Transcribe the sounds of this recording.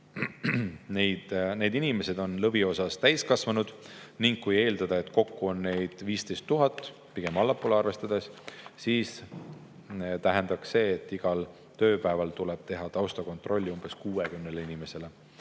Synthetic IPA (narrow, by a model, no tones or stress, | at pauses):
nejd̪̥ne̞ːd̪inime̞se̞d̪o̞nlɤbio̞sɑst̪æjskɑsvɑnud̪̥niŋɡ̥̚kuje̞ːld̪ɑd̪̥ɑe̞t̪ːko̞kːuo̞nːe̞jd̪̥viːst̪e̞jst̪ːuɦɑt̪ˑː | piɡe̞mɑlːɑpːˑoleɑrve̞st̪ɑd̪̥essiːs | t̪æɦe̞nd̪̥ɑkse̞ːt̪ːˑiɡ̥ɑl | t̪ø̞ːpæevɑlt̪ulɛb̥̚t̪e̞ɦɑt̪ɑwst̪ɑko̞nt̪ˑro̞lʲːiumb̥e̞skuːekymneleinime̞se̞le̞